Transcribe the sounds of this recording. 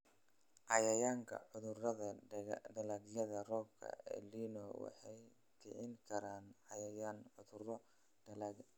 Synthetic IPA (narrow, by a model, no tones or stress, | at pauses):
ʕɑjɐjaːŋkʰɐ̰ʕʊðʊrɐðɐɖɐlɐɡjɐðɐrɔːb̚kʰɐ̰ɛ̰liːnɔwɑ̰ħɑj | t̪ʰɪ̰ʕɪŋkʰɐɾaːnʕɑjɐjaːnʕʊðʊrɔ